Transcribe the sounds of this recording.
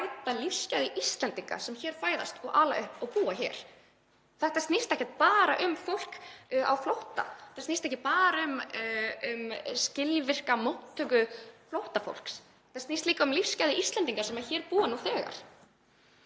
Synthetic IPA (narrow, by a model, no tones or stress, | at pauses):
ajt̪alifscajðɪʔist̪lɛnt̪iŋka̰sɛmçɛːɾ̥faːjða̰st̪ɔʔaːlaʏhpɔɣpuːaçɛ̰ːɾ̥ | θɛht̪ast̪ist̪ɛhcːɛt̪̚paːɾaʔʏmfowl̥ka̰wflowht̪a̰ɛt̪ast̪ist̪ɛhcɪpaːɾaʏm | ʏmscɪlvɪr̥kamowht̪ʰːœkʏflowht̪afo̰wl̥ks | ɛ̥snist̪liːkaʏmlifscajðɪʔist̪lɛnt̪iŋkasɛmaçɛːɾpuːanuθɛːɣa̰ɾ̥